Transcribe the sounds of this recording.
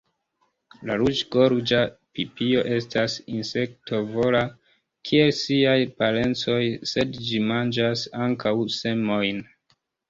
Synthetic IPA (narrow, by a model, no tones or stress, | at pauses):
laɾut͡ʃɡo̞ɾd͡ʒapipio̞ʔe̞stasinse̞ktʰo̞vo̞la | kʰie̞lsiajpale̞nt͡so̞jse̞dd͡ʒimand͡ʒasaŋkawse̞mo̞jn